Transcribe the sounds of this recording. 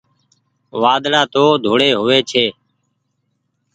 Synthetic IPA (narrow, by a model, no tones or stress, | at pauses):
ʋaːd̪laːt̪oːd̪ʱoːɽeːɦʊʋeːt͡ʃʰeː